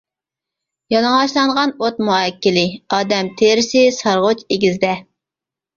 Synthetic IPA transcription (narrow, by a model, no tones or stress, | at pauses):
jɑlˠɑŋɑʃlˠɑɴʁɑnot̪muɛkʲːɪlɪɑːd̪ɛmt̪ʰeɾɪsɪsɑɾʁot͡ʃeɡʲizd̪ɛ